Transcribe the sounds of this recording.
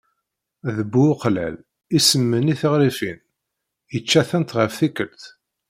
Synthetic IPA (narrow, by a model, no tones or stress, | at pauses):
ðəbːuqlæ̰l | isəmːəniθəʁɾifin | jət͡ʃːæθænt̪ʁəfθikəlt̪